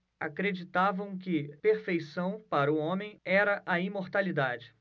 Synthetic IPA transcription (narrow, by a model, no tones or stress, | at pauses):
a̰kɾed͡ʒit̪avɐ̃w̃kɪpeɾfejsɐ̃w̃paɾɐʊõmẽj̃ɛɾɐʔɐĩmoɾt̪alid̪ad͡ʒɪ